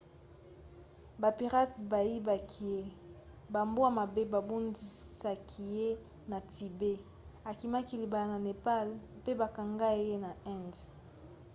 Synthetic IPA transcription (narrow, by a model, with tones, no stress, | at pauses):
ba˨pi˨ʁa˦t̚ba˨ji˦ba˨kʰi˨je˦ | ba˨mbo˦a˨ma˨be˦ba˨bo˦ndi˨sa˨kʰi˨je˦ | na˨ti˨be˦ | a˨ki˨ma˦ki˦˨li˨ba˨a˨na˨ne˨pa˦lpe˦ba˨ka˨ŋɡa˦je˦na˨ɛ˦nd